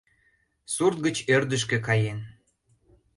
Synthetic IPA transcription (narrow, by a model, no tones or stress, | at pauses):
surt̪̚ɡət͡ɕørd̪əʃ̬kĕkɑjen